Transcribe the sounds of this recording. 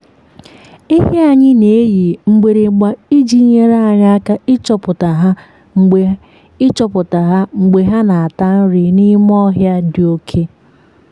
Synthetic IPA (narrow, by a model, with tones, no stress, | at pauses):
i˦ɦe˦a˨ɲɪ˦ne˨˦ji˨ŋ͡m̩˦ɡ͡be˨ɾe˨˦ɡ͡ba˦i˦d͡ʒi˦ɲe˦ɾa˦a˨ɲ˦a˦ka˦ɪ˦t͡ʃɔ˨pʊ˨ta˨ɦa˦ | ŋ͡m̩˨ | ɪ˦t͡ʃɔ˨pʊ˨ta˨ɦa˦ŋ͡m̩˨ɡ͡be˨ɦa˦na˨a˨ta˦n̩˦ɾɪ˨ni˦m˦ɔ˦ɦja˦dɪ˨o˦kʰe˦